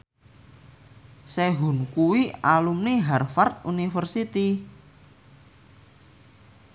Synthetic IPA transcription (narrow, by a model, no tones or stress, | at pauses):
sɛɦṳnkuwialumniɦɛrfart̪̚unifərsit̪i